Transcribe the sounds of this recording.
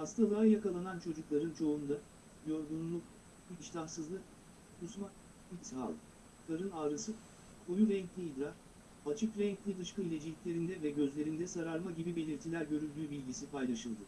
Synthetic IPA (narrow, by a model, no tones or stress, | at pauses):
hast̪ʰalˠajakalˠanant͡ʃʰo̞d͡ʒuklˠaɾɯnt͡ʃʰo̞und̪a | jo̞ɾɡunlˠuk̚ | iiʃlʲahsɯzlˠɯk̚ | kʰusma | isha̰lˠ | k̪ʰaɾɯnaːɾɯsɯ | kʰo̞juɾɛɲclʲiːd̪ɾaɾ | at͡ʃʰɯkɾɛɲclʲid̪ɯʃkɯilʲed͡ʒilʲicʲlʲe̞ɾind̪ɛvɛɟø̞zlʲe̞ɾind̪ɛsaɾaɾmaɟibibe̞lʲiɾt̪ʰilʲæɾɟø̞ɾylʲd̪yːbilʲɟisipʰajlˠaʃɯlˠd̪ɯ